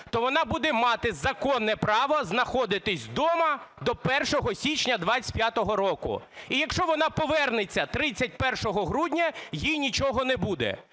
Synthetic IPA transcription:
t̪ɔʋɔnɑbud̪ɛmɑt̪ɪzɐkɔnːɛpɾɑʋɐznɐxɔd̪ɪt̪ɪsʲd̪ɔmɐd̪ɔpɛrʃɔɦɔsʲit͡ʃnʲɐd̪ʋat͡sʲpʲjat̪ɔɦɔɾɔkʊ̰ | ijɐkʃt͡ʃɔʋɔnɑpɔʋɛrnɪt͡sʲːɐt̪ɾɪt͡sʲːɐt̚ʲpɛrʃɔɦɔɦɾudʲnʲɐjijnʲit͡ʃɔɦɔnɛbud̪ɛ̰

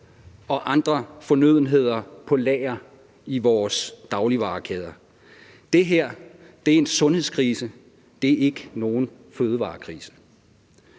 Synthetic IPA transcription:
ɒ̽ʔɑ̈nd̥ʁɐfɒ̽nøð̞̰ˠn̩ɦe̝ð̞̰ˠɐpʰɒ̽lɛɪɐ | iʋɒːsd̥ɑ̈ʊliʋɑ̈ːkʰɛːð̞ˠɐ | d̥e̝ɦeɐ̰ | d̥e̝ɐe̝nsɔ̽nhe̝ð̞̰ˠskʰʁiːsə | d̥e̝æɐe̝ɡ̥əno̝ːn̩ | føːð̞ˠəʋɑ̰̈ːkʰʁiːsə

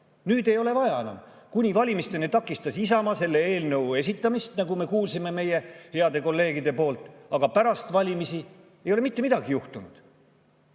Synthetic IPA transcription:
nyːd̪e̞jo̞le̞vɑjɑe̞nɑ̰m | kunʲivɑlʲimist̪e̞net̪ɑkːˑist̪ɑsisɑmɑse̞lːe̞e̞ːlnɤ̞we̞s̬ʲit̪ːˑɑmist̪nɑɡume̞kuːlsime̞me̞je̞he̞ɑd̪e̞ko̞lːe̞ːɡid̪e̞po̞ːlt̪ˑɑɡ̥ɑpæɾɑst̪vɑlʲimisi | ejo̞le̞mit̪ːe̞mid̪ɑɡijuht̪unud̪̥

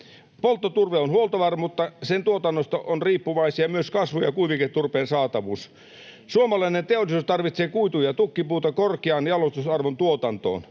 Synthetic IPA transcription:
polt̪ːot̪urʋeonhuolt̪ɑʋɑrmut̪ːɑsent̪uot̪ɑnːost̪ɑʔonriːpːuʋɑisiɑmyøskɑsʋujɑkuiʋiket̪ːurpeːnsɑːt̪ɑʋuːs | suomɑlɑinent̪eolːˑisuːst̪ɑrʋit̪seːkuit̪ujɑt̪ukːipuːt̪ɑkorkeɑːnjɑlost̪usɑrʋont̪uot̪ɑnt̪o̰ːn

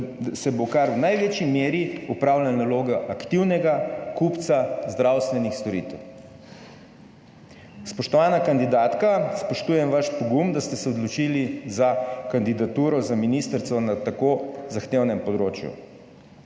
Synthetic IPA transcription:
sɛbokaɾwnajʋeːt͡ʃimeːɾiupɾawlannaloːɡaʔakt̪iwnɛɡakupt̪sazd̪ɾawst̪ʋɛnixst̪ɔɾḭt̪ɛw | spɔʃt̪ɔʋaːnakand̪id̪aːt̪kaspɔʃt̪uːjɛmʋaʃpɔɡumd̪ast̪ɛsɛɔd̪lɔt͡ʃilizakand̪id̪at̪uːɾɔzaminist̪əɾt̪sɔnat̪akozaxt̪ewnɛmpɔd̪ɾoːt͡ʃjṵ

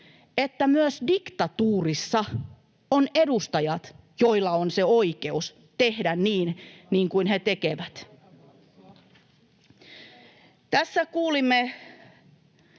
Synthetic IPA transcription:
et̪ːæmyøsdikt̪ɑt̪uːrisːɑ | onedust̪ɑjɑt̪ | joilːɑonseoikeus | t̪ehdænniːnniːŋkuinhet̪ekeʋæt̪ | t̪æsːækuːlimːe

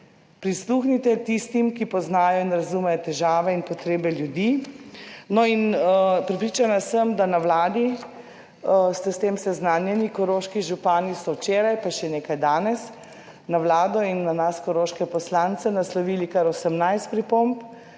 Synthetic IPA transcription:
pɾisluːxnit̪ɛt̪ist̪imkipɔznaːjɔinɾazumɛjɔt̪ɛʒaːʋɛinpɔt̪ɾeːbɛljud̪i | nɔinpɾɛpɾit͡ʃanasəmd̪anawlaːd̪i | st̪ɛst̪eːmsɛznaːnjɛnikɔɾoːʃkiʒupaːnist̪ɔwt͡ʃeːɾajpaʃɛneːkajd̪aːnɛs | nawlaːd̪ɔinːanaskɔɾoːʃkɛpɔslant̪sɛnaslɔʋiːlikaɾɔsɛmnajst̪̚pɾipomp

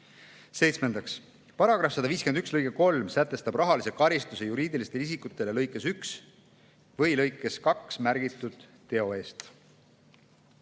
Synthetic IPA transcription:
se̞jt̪sme̞nd̪̥ɑks | pɑɾɑɡ̥ɾɑfsɑd̪̥ɑviːskyend̪ykslɤjkeko̞lmsæt̪ːˑe̞st̪ɑb̥rɑɦɑlisekɑɾist̪usejuɾiːd̪ilist̪e̞lis̬ikːˑut̪ːˑe̞le̞lɤjkˑːe̞syks | vɤjlɤjkːˑe̞skɑksmæɾɡ̥it̪ːˑud̪̥t̪ːe̞o̞e̞ːst̪

